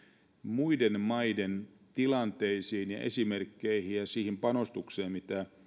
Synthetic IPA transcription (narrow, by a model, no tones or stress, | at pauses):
muidenmɑjden | t̪ilɑnt̪e̞isiːnjɑ̰ʔesime̞rkːeihijjɑsiːhimpɑno̞st̪ukseːmmit̪æ